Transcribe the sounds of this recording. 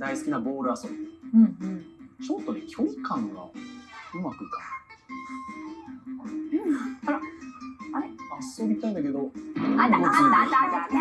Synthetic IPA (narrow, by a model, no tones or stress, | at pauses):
d̪aisɨ̥kʲinaɡo̞ːɾɯ̟asobiɯ̟̃ɴɯ̟̃ɴt͡ɕot̪ːokʲʰo̞ikãŋɡa̰ɯ̟makɯ̟kḁɾ | t̪ad̪a | aaso̞bʲit̪aĩnd̪ake̞d̪oanaaaad̪aa